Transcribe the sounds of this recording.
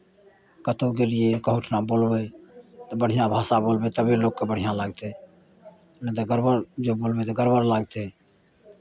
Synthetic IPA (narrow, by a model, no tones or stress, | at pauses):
kət̪ok̬elɪekəɦʊʈʰnaboːlbet̪əbəɽ̤ijãbʱaːsaboːlbet̪əbiloːɡkebəɽ̤ijãlaːɡt̪e | nət̪əɡəɾbəɾd͡ʒoboːlbet̪oɡəɾbəɾlaːɡt̪e